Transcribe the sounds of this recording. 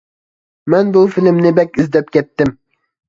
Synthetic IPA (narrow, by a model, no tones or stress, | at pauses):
mɛnbufilɪmnɪbɛkʲizd̪ɛp̚kʲɛt̪ːɪm